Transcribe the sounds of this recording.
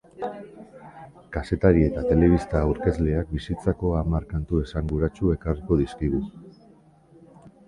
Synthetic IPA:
kase̞t̪aɾie̞t̪at̪e̞le̞β̞ist̪auɾke̞zle̞ak̚bisit͡sako̞amaɾkant̪ue̞saŋɡuɾat͡ʃue̞kariko̞ðiskiɣ̞u

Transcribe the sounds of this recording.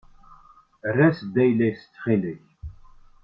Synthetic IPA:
rːæsd̪æjlæjst͡sːχiləç

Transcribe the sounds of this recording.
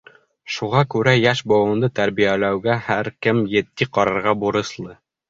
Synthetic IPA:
ʃuʁɑkʉɾæjæʃbŏwɤ̆nd̪ɤt̪æɾβijælæwɡæhæɾkɘmjɘ̆t̪ːiqɑɾɑɾʁɑbuɾɤ̆slˠɤ

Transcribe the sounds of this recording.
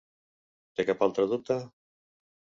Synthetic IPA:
t̪ekapalt̪ɾaðut̪a

